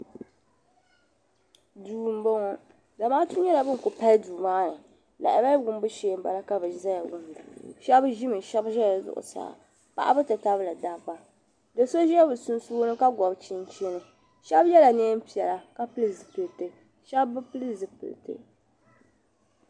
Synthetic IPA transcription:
duː˨m̩˦bɔ˦ŋɔ˦ | da˨maː˦tu˦ɲɛ˦la˨bɨ˦ŋ˨kʊ˨pa˦lduː˨maː˦nɨ˨ | la̰˨ʔɪ˨ba˦ɡʊ˦m˦bɨ˦ʃeː˦m˦ba̰˨la˦ka˦bɨ˨za˦jɡʊ˨m̰˨ʃɛ˦bʒɪ˦mɨ˨ʃɛ˦bʒɛ˦˨zʊ̰˦ʔʊ̰˨sa̰ː˨ | pa̰˨ʔa˦bɨ˦tɨ˨ta˦βla˨da˦ba˦ | dɨ˨so˦ʒɛ˦ɛ˦bɨ˨sʊ˦nsu˦nɨ˦ka˦ɡɔ˨bt͡ʃi˦n˦t͡ʃe˦nɨ˨ | ʃɛ˦bjɛ˦la˨ne˦m̩˦pi˨ɛ˨la˨ka˦pɨ˦lɨ˦˨zɨ˨pɨ˨tɨ˨ | ʃɛ˦bːɨ˦pɨ˦lɨ˦zɨ˨pɨ̰˨l̰tɨ̰˦

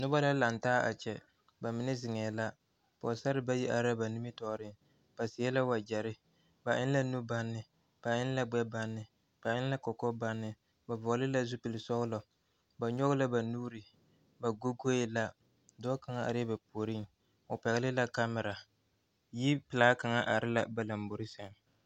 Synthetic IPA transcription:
nʊ˦ba˦la˦la˨n˨taː˦ʔa̰˨t͡ʃɛ˨ | ba˨mɪ˨nɪ˦zɪ˨ŋɛː˨la˦ | pɔ̰˨sa˦ɾɪ˦ba˦ji˦ʔa˨ɾa˦ba˨nu˦mi˦tɔ˨ɾɪ˦ŋ | b̥a˨sɪ˨˦ɛ˦la˦wa˨d͡ʒɛ˨ɾɪ˦ | ba˨ʔɪ˦n˦la˦nu˦ba˦nːɪ˨ | b̥a˨ɪ˦n˦la˦ɡ͡bɛ˦ba˦nːɪ˨ | b̥a˨ɪ˦n˦a˦kɔ˨kɔ˦ba˦nːɪ˨ | ba˨vɔ˨lɪ˦la˦zu˦pɪ˨lɪ˨sɔ˦ɣʊ˦lɔ˨ | ba˨ɲɔ˦ɣʊ˦la˦ba˨nuː˦ɾɪ˨ | ba˨ɡo˦ɡo˦ɪ˨la˦ | dɔ˦ka˨ŋa˦ʔa̰˨ɾɛ˦ba˨po˨ɾɪ˦ŋ | ʊ˨pɛ˨ɣɪ˦lɪ˦la˦ka˦mɪ˨ɾa˨ | ji˦pɪ˨laː˦ka˨ŋa˦ʔa˨ɾɪ˦la˦ba˨la˨mbu˨ɾɪ˦sɛ˨ŋ˦

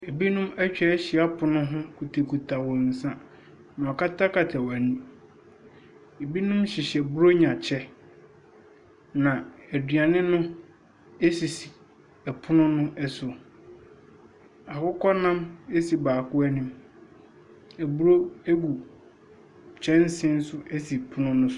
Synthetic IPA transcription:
e˨bi˦nʊ̃˦mɛ˦t͡ɕᶣɛ˨˦ɕɪ˨a˦pʰʊ˨nʊ̃˦ɦʊ̃˦kʰu˨tʰe˨kʰu˨tʰa˨wɔ˨n̩˨sã˦ | nã˨ɔ˨ka˦tʰa˦kʰa˨tʰa˨wa˨nũ˦ | e˨bi˦nʊ̃˦mɕɪ˨ɕɛ˨bu˦ɾo˦ɲã˨t͡ɕʰɛ˦ | nã˨æ˨dɥa˨nɪ̃˦nʊ̃˦ | e˦si˨si˨ | ɛ˨pʰʊ˦nʊ̃˦nʊ̃˦ʔɛ˦sʊ˨ | a˨kʊ˦kʰɔ˦nã˦me˦si˨baː˨kʊ˦ɛ˦nɪ̃˦m | ɛ˨bu˦ɾo˦æ˦ɡu˨ | t͡ɕʰɛ˦n̩˦sɪ̃˦n̩˦sʊ˦e˦si˨pʰʊ˦nʊ̃˦nʊ̃˦sʊ˦

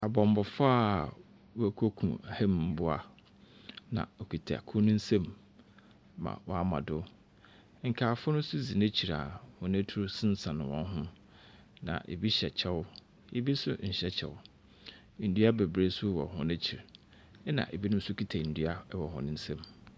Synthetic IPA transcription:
a˨bɔ˨m˨bɔ˨faː˦˨ | wɔ˦æ˦kʰo˦kʰṵ̃˨hæ˦mm̩˦bʊ˦a˨ | nã̰˨ɔ˨kʰi˨tʰa̰˨a˨kʰʊ˦nʊ̃˦n̩˦sẽ˦m | mã̰˨wɔ˨a˦mã̰˨dʊ˦ | ŋ̩˨kʰaː˨fʊ˦nʊ̃˦sʊ˦zi˨nɛ̃˦t͡ɕʰi˨ɾa̰˨hʊ̃˨næ̃˦tʰu˦ɾʊ˦sɪ̃˦n˦sã˨nʊ̃˨wɔ̰̃˦n˦ɦʊ̃˦ | nã̰˨ʔḛ˨bi˦ɕɛ˨t͡ɕʰɛ˦wʊ˦ | ḛ˨bi˦sʊ̰˦ɲ̩˨ɕɛ˦t͡ɕʰɛ̰˨wʊ˦˨ | n̩˨dɥa˦bɛ˨bɾe˦sʊ˦wɔ̰˨ɦʊ̃˨nɛ̃˦t͡ɕʰi˨ɾ | ɛ˦nã̰˨ʔḛ˨bi˦nʊ̃˦m̩˦sʊ˦kʰi˦tʰa˨n̩˨dɥa˦wɔ˨hʊ̰̃˨nɪ̃˦n̩˦sẽ˦m

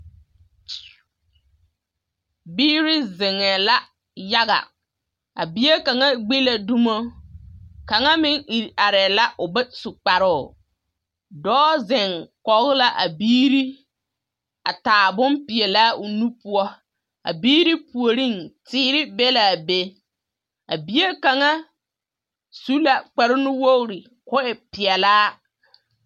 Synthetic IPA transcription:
biː˦ɾɪ˦zɪ˨ŋɛ˨la˦ | ja˦ɣa̰˨ | a̰˨bi˦e˦ka˨ŋa˦ɡ͡bi˦la˨du˦mo˦ | ka˨ŋa˦mɪ˦ŋi˨a˨ɾɛ˨la˦ʔʊ˨bɛ˦sʊ˨k͡pa˨ɾʊ˦˨ | dɔː˦zɪ˨ŋkɔ˨ɣɪ˦la˦ʔa˨biː˦ɾi˦ | a̰˨taː˨bʊ˦mpɪ˨e˨laː˦ʊ˨nu˦pʊ˦ɔ˦ | a̰˨biː˦ɾi˦pu˨o˨ɾi˦˨ŋtɪː˦ɾɪ˦bɛ˦la˨be˦ | a˨bi˦je˦ka˨ŋa˦ | su˦la˨k͡pɛ˨ɾɪ˦nʊ˦wo˦ɣɾɪ˨ | kʊ˦ɛ˨pɪ˨ɛ˨laː˦

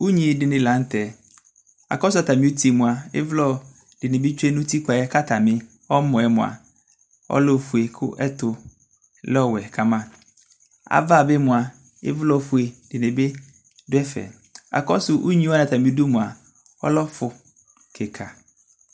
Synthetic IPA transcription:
u˦ɲĩ˨dɪ˨nɪ̃˨lã˨˦n˦tɛ˨ | a̰˨kɔ˦s̬ʊ˦a˨ta˨mɪ̃˨˦u˦tʰi˦˨mʊ̃˨a˨ɪ̰˦vlɔ˦ | d̥ɪ˨nɪ̃˨bɪ˦t͡ʃᶣe˦nʊ̃˦ti˦k͡pa˨ɛ˦ka˦tʰa˨mɪ̃˦ | ɔ˦mɔ̃˨ɛ˨mʊ̰̃˨a̰˨ | ɔ̰˦lɔ˦˨fu˨e˨kʰʊ˦ʔɛ˦tʊ˨ | lɔ˦wɛ˨kʰa˨mã˦ | a̰˨va˦˨be˦mʊ̃˨a˨ | ɪ̰˦vlɔ˦˨fu˨e˨dɪ˨nɪ̃˨be˦ | dʊ˦ɛ˦fɛ̰˨ | a̰˨kɔ˦sʊ˨ʔu˦ɲĩ˦wa˦nã˨t̪a˨mɪ̃˨˦dʊ˦mʊ̃˨a˨ | ɔ̰˦lɔ˦fʊ˨ | kʰɛ˨kʰa˨

